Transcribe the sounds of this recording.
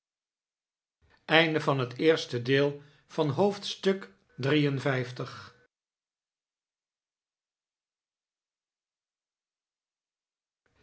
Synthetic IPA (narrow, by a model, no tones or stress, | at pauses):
ɛjndəvɑnɦətɪːɹstədɪːlˠ | v̥ɑnɦowftstɵk | drijənvɛjftəχ